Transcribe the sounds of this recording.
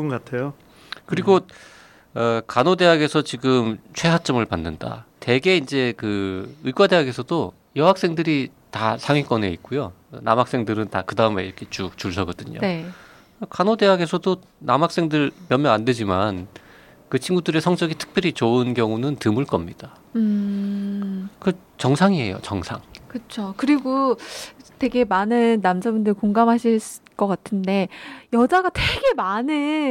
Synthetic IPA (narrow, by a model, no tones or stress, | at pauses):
uɡkatʰejo | kɯɾiɡo | ʌkanode̞ɦaɡe̞sʰʌt͡ɕiɡɯmt͡ɕʰwe̞ɦat͡ɕ͈ʌmɯɭpanːɯnda̰te̞ɡe̞ind͡ʑe̞kɯɯik͈wade̞ɦaɡe̞sʰʌdo | jʌɦak̚s͈e̞ŋdɯɾi | tasʰaŋɥik͈wʌne̞ik͈ujona̰mɦak̚s͈e̞ŋdɯɾɯntakɯdaɯme̞iɾʌkʰe̞t͡ɕut͡ɕuɭsʰʌɡʌdɯɲo̰ | kanode̞ɦaɡe̞sʰʌdo | namɦak̚s͈e̞ŋdɯɭmjʌmjʌŋande̞d͡ʑiman | kɯt͡ɕʰinɡudɯɾe̞sʰʌŋd͡ʑʌɡitʰɯ̥k̚p͈jʌɾit͡ɕoɯnɡjʌŋunɯntɯmuɭk͈ʌmɲid̥a | ɯ | kɯ | t͡ɕʌŋsʰaŋiɦe̞̰jo̰t͡ɕʌŋsʰa̰ŋkɯt͡ɕʰokɯɾiɡo | twe̞ɡe̞manɯnːamd͡ʑabundɯɾikoŋɡamɦaɕʰiɭsk͈ʌk͈atʰɯnde̞jʌd͡ʑaɡatʰe̞ɡe̞manɯ